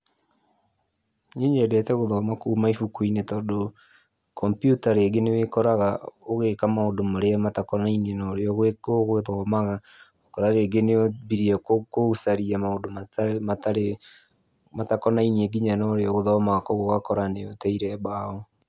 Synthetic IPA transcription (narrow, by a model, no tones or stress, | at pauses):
ɲiɲedɛtɛɣoðɔːmakuːmaifukwinetɔːdo | kʰɔmpjutaɾeːɡenewekɔɾaɣaoɣekamaodomoɾeamatakɔnainenɔɾeɔɣoɣweðɔmaɣa | okɔɾaɾeːɡeneoβiɾiɔkousaɾiamaodomamataɾe | matakɔnainieɡiɲanɔɾeɔɣoðɔmaɣakɔɣoɣakɔɾaneotaiɾɛβaːɔ